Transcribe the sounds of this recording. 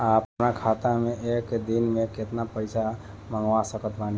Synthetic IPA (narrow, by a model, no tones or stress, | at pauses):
apnakʰat̪amẽekd̪inmẽkɪt̪napəɪsa | məŋɡʋasəkət̪bani